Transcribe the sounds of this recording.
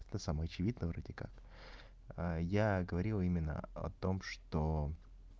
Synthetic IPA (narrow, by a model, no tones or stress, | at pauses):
t̪əsaməjɐt͡ɕɪvʲid̪nəvɾo̞dʲɪkak | əjaɡəvɐɾʲilˠimʲɪnːə̰ɐ̰t̪o̞mʂt̪o